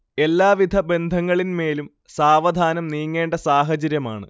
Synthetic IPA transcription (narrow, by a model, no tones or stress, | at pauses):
e̞lːaːʋid̪ʱɐbe̞nd̪ʱɐŋːɐɭinme̞ːlum | saːʋɐd̪ʱaːnɐmniːŋːe̞ːɳɖɐsaːɦɐt͡ɕɐɾjɐma̰ːɳɨ̰